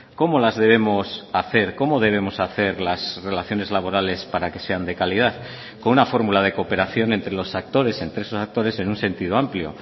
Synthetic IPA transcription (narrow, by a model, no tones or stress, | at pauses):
ko̞mo̞lazðe̞β̞e̞mosaθe̞ɾko̞mo̞ðe̞β̞e̞mo̞saθe̞ɾlasre̞laθjo̞ne̞zlaβo̞ɾale̞spaɾake̞se̞and̪e̞kalið̞aθ | ko̞nunafo̞ɾmulað̞e̞ko̞pe̞ɾaθjo̞ne̞nt̪ɾe̞lo̞sak̚t̪o̞ɾe̞se̞nt̪ɾeesosak̚t̪o̞ɾe̞se̞nunse̞nt̪iðoampljo̞̰